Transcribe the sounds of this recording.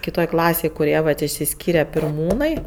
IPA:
kʲɪˈtoːj ˈklˠɑːsʲeːj kʊˈrʲiɛ ʋɐt ɪʃʲsʲɪˈsʲkʲiːrʲɛ pʲɪrˈmuːnɐɪ

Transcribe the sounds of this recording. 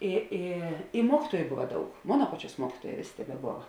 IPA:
ɪ ˈɪ ɪ ˈmuɔkʲiːtuɔjʊ ˈbʊʋɐ ˈdɐʊk ˈmoːnɐ ˈpɑːˌt͡ʃʲuɔs ˈmuɔkʲiːtuɔˌjɛː ˈʋʲeːˌsʲeː tʲɛbʲɛˈboːʋɐ

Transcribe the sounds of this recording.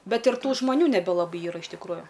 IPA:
ˈbʲɛt ɪr ˈtuː ʒmɐˈnʲuː nʲɛˈbʲɛ lˠɐˈbɐɪ ˈiːrɐ ɪʃ tʲɪkˈruːjʊ

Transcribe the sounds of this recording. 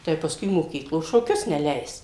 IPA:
tɐɪ pɐˈskʊɪ moːˈkʲiːklˠoː ʃoːˈkʲʊs nʲɛˈlʲɛɪs

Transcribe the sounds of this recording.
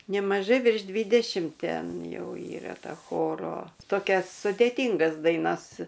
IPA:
nʲɛmɐˈʒɐɪ ʋʲɪrʃ ˈdʲʋʲiːdʲɛʃʲɪmt ˈtʲɛn ˈjɛʊ ˈiːrɐ ˈtɐ ˈxoːroː toːˈkʲɛs sʊdʲeːˈtʲiːŋɡɐs dɐɪˈnɐs

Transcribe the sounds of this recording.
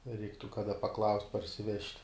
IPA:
ˈrʲɛɪktʊ kɐˈdɐ pɐˈklˠɐʊsʲtʲ pɐrʲsʲɪˈʋʲɛʃʲtʲ

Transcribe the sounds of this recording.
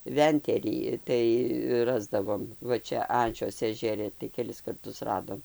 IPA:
ˈʋʲɛnʲtʲɛrʲiː ˈtɐɪ ˈrɑːzdɐʋoːm ˈʋɐ ˈt͡ʃʲɛ ˈɐnʲt͡ʃʲoːs ɛʒʲɛˈrʲɪ tɐɪ kʲɛˈlʲɪs kɐrˈtʊs ˈrɑːdoːm

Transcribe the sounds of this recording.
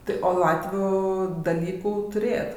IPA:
ˈtɐɪ oː ˈlˠɑːtʲʋʲuː dɐˈlʲiːkuː tʊˈrʲeːjɛt

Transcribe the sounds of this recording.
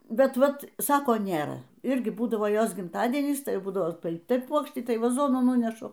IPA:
bʲɛt ˈʋɐt ˈsɑːkoː ˈnʲeːrɐ ˈɪrʲɡʲɪ ˈbuːdɐʋoː ˈjoːs ɡʲɪmˈtɑːdʲiɛnʲiːs ˈtɐɪ ˈbuːdɐʋoː tɐɪ ˈpuɔkʃʲtʲiː tɐɪ ʋɐˈzoːnuː ˈnuːnʲɛʃʊ

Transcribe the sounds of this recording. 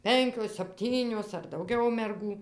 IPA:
ˈpʲɛŋʲkʲoːs sɐpʲˈtʲiːnʲoːs ɐr dɐʊˈɡʲɛʊ mʲɛrˈɡuː

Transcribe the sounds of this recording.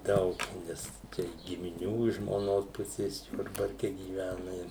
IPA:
ˈdɐʊk ˈnʲɛs ˈt͡ʃʲɛ ɡʲɪmʲɪˈnʲuː ɪʃ ʒmoːˈnoːs ˈpʊsʲeːs ˈjʊrbɐrʲkʲɛ ɡʲiːˈʋʲænɐ ɪ

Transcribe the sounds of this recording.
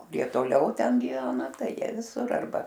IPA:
kʊˈrʲiɛ toːˈlʲɛʊ ˈtʲɛn ɡʲɪˈʋʲæːnɐ ˈtɐɪ ˈjiɛ ʋʲɪˈsʊr ɐrˈbɐ

